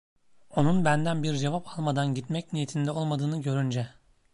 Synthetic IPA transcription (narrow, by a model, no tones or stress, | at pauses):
o̞nunbænd̪ænbiɾd͡ʒe̞vapʰalˠmad̪anɟit̪mɛcnijet̪ʰind̪ɛo̞lˠmad̪ɯːnɯɟø̞ɾynd͡ʒɛ